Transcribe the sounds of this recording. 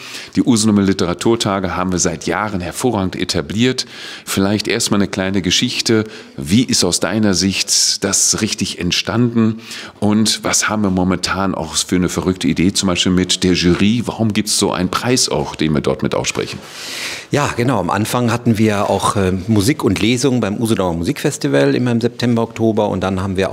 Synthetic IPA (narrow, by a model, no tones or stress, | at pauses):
d̥iːʔuːznʊməlɪtəʁatʰuːɐtʰaːɡəɦaːbm̩viːɐzaɪtja̰ːʁənhɛɐfoːʁaːɡŋ̩tʔḛtʰabliːɐtfɪlaɪçtʔeːɐstmaːlnəkl̥aɪnəɡəʃɪçtə | viːʔɪstaʊsd̥a̰ɪnɐzɪçtd̥asʁɪçtɪçɛ̰ntʃtandn̩ʔʊntvashaːbm̩viːɐmɔmɛntʰaːnʔa̰ʊxfyːɐnəfɛɐʁʏktʰəideːt͡sʊmbaɪʃpiːlmɪtd̥eːɐʒyːʁiːvaʁʊmɡiːp̚tsz̥o̰ːʔaɪnənpʁ̥aɪsa̰ʊxd̥eːnviːɐdɔ̰ɐtmɪtʔa̰ʊsʃpʁ̥ɛ̰çn̩ | jaːɡ̥ənaʊamʔa̰nfaŋhatn̩viːɐʔa̰ʊxɛmuziːkʊntleːzʊŋbaɪmʔuːzədɔmɐmuziːkfɛstivəlʔɪ̰mɐɪmzɛp̚tʰɛmbɐɔktʰoːbɐʊ̰nt̚d̥anhaːbm̩viːɐʔʊ